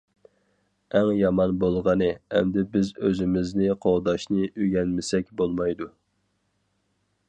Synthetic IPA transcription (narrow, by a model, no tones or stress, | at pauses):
æŋjɑmɑnbolˠʁɑnɨɛ̰md̪ɪbɪzøzɪmɪznɪqʰoʁd̪ɑʃnɨʔøɡʲɛnmɪsɛkʲbolˠmɑjd̪u